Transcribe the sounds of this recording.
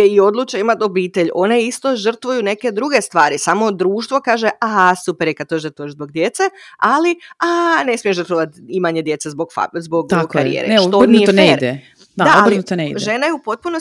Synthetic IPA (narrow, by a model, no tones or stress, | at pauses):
eio̞d̪lˠuːt͡ʃeimat̪o̞biːt̪e̞ʎo̞neist̪o̞ʒr̩t̪ʋujune̞ke̞d̪ɾuɡe̞st̪ʋaːɾisamo̞d̪ɾuːʃt̪ʋo̞kaːʒeʔasupeɾjekad̪̚t̪oʒd̪at̪od͡ʒzboɡd̪je̞t̪sealiane̞smijeʒrt̪ʋoʋat̪imaɲe̞d̪je̞t̪sezboɡfa̰zboɡ̪abokkaɾḭjḛːɾeet̪ood̪nieeiɾd̪e | d̪aaoaliut̪eneid̪ʒe̞najeupo̞t̪̚puno